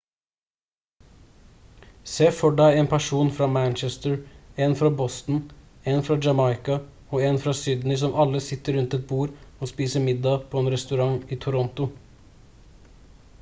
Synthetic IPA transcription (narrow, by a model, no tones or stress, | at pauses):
seːfɔɖæɪeːnpʰæʂuːnfɾɑːmænt͡ʃɛst̪əɹeːnfɾɑbɔst̪n̩ | eːnfɾɑːd͡ʒɑmɑɪkɑ | oːɛːnfɾɑːsyːd̪n̩ɪs̬ɔmʔɑlːəsɪt̪ːəɾʉnt̪ɛt̪̚buːɾoːspiːsəmɪd̪ɑpʰoːeːnɾɛst̪ʉɾɑŋiːt̪ʰʊɾɔnt̪ʊ